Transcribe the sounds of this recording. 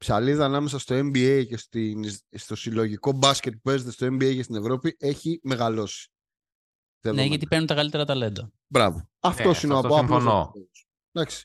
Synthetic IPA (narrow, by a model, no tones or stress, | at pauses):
psɐliðɐːnɐme̞sɐst̪o̞e̞mbiejcest̪inst̪o̞silo̞ʝiko̞bɐsce̞t̪̚p̚upe̞zet̪e̞st̪o̞e̞mbiejcest̪ine̞vɾo̞pie̞çime̞ɣalo̞si̥ | t̪ievneʝɐt̪ipeɾnunt̪ɐkɐlit̪e̞ɾɐt̪ɐle̞nd̪ɐ | bɾɐ̰voɐft̪o̞sineoɐpoɐmono̰oos | d̪ɐksi̥